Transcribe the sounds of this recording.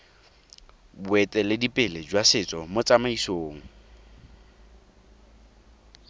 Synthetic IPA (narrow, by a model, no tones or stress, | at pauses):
bwɛtʼɛlɪdipʼɪlɪd͡ʒwasɪt͡sʼɔmot͡sʼamaisoːŋ̩